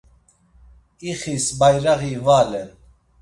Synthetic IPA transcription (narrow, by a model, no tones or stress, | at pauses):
iχisbajɾaɣivaːlɛn